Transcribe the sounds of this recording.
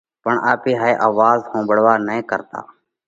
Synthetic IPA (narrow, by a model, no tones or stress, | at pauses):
pəɳʔaːpiːɦaːeːʔaːʋaːzhõːbəɽ̤ʋaːnəẽːkəɾt̪a̰ː